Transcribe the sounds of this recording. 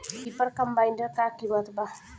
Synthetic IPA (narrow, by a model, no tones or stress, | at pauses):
dipərkəmbaindəkakimat̪bah